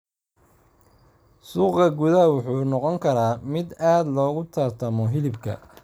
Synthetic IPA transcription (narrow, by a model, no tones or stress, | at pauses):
suːqɐɡʊðɐwʊħuːnɔqɔŋkʰɐɾaːmɪd̪aːd̪lɔːɣʊt̪ʰɐrt̪ʰɐmɔɦɪlɪbkʰɐ̰